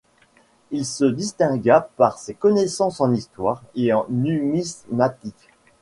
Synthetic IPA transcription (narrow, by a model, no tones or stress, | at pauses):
ilsəd̪ist̪ɛ̃ɡapaʁsekɔnesɑ̃sɑ̃nist̪waːʁeɑ̃nymismat̪ik